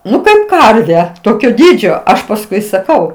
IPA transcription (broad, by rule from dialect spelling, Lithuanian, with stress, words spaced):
ˈnʊ kɐɪp ˈkɐrʲʋʲɛ ˈtoːkʲoː ˈdʲiːd͡ʒʲoː ˈɐʃ pɐsˈkʊɪ sɐˈkɐʊ